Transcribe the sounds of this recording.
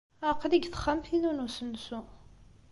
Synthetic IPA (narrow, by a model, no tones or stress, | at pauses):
aqːliɡθə̥χːəmθinunusənsu